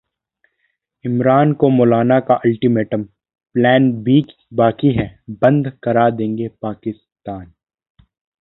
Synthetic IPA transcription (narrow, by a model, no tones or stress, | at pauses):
ɪmɾaːnkomɔːlaːnakaʔɐlʈimeːʈə̃m | plɛːnbiːt͡ʃ | baːkiɦɛbɐ̃nd̪kɐɾad̪ẽːŋɡepaːkɪs | t̪aːn